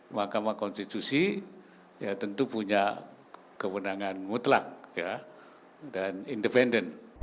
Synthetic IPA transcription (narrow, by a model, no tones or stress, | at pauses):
mahkamakɔnst̪it̪usi | jat̪ənt̪upuɲa | kəwənaŋanmut̪lak̚ja | danindəpɛndən